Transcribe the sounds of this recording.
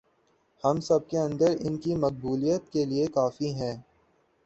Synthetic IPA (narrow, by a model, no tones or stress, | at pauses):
hɐmsɐb̚keɐ̃nd̪əɾɪnkimɐq̚buːlijət̪̚keliekaːfiɦɛ̃ː